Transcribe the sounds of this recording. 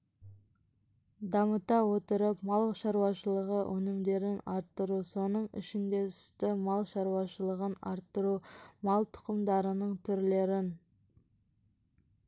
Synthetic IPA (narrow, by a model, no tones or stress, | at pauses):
d̪ɑmət̪ɑwo̞t̪əɾəpmɑlˠʃɑɾwɑʃəlˠəʁəwʔɵnɪmd̪e̞ɾɪnɑɾt̪ːəɾuso̞nəɴɪ̰ʃɪnd̪e̞ʏ̥st̪ɪmɑlˠʃɑɾwɑʃəlˠəʁənɑ̰ɾt̪ːəɾumɑlˠt̪ʰʊ̥qəmd̪ɑɾənəɴt̪ʰʏɾle̞ɾɪn